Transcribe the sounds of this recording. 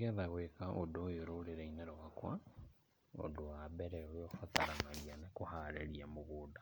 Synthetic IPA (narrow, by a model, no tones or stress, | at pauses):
kɛðaɣwekaʔodojoɾoːɾeɾeineɾowakwa | o̰dowabɛɾɛoɾjofataɾanaɣianekohaɾeɾiamoɣoːda